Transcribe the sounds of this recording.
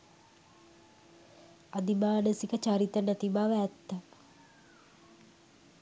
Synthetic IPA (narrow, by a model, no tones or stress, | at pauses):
ad̪imaːnəsikət͡ʃaɾit̪ənæt̪ibaːʋəːt̪ːə